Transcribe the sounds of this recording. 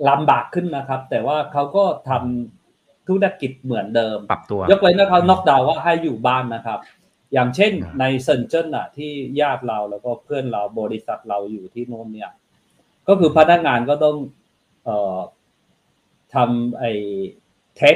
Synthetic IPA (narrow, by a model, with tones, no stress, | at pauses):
la˨˧˥mbaː˨˩kʰːɯ˥˩nːa˦˥kʰa˦˥p̚t̪ɛː˨˩waː˥˩kʰa˦˥wkɔː˥˩t̪ʰa˧m | t̪ʰu˦˥k̚na˧˥˩kːi˨˩t̪̚mɯ˩˦əndɤː˧m˨˧jo˦˥k̚la˧jnɯː˦˥kʰa˦˥nɔ˦˥k̚da˧wwaː˥˩ɦa˥˩jːuː˨˩baː˥˩nːa˦˥kʰa˦˥p̚ | jaː˨˩ŋt͡ɕʰe˥˩nːa˧jsɤ˧nt͡ɕʰɤ˥˩nʔa˨˩t̪ʰiː˥˩jaː˥˩t̪̚ɾa˧wlɛː˦˥wkɔː˥˩pʰɯ˥˩ənɾa˧wbɔː˧ɾi˦˥sa˨˩t̪̚ɾa˧wjuː˨˩t̪ʰiː˥˩noː˥˩ŋ̚ni˥˩ɐ | kɔː˥˩kʰɯː˧pʰa˦˧˥na˦˥k̚ŋaː˧nkɔː˥˩t̪ɔ˥˩ŋ | ʔɤː˨˩ | t̪ʰa˧mʔa˧˩j | t̪ʰɛ˦˥